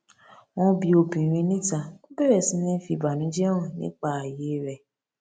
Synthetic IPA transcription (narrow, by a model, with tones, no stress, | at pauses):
w̃ɔ̃˦bi˧o˧bĩ˨ɾ̃ĩ˧˦nĩ˦ta˧o˦bɛ˦˨ɾɛ˨sĩ˧˦nĩ˦fi˧˨ba˨nĩ˨˦d͡ʒɛ˦wɔ̃˦˨nḭ̃˦k͡pa˦˨a˨je˨˦ɾɛ˨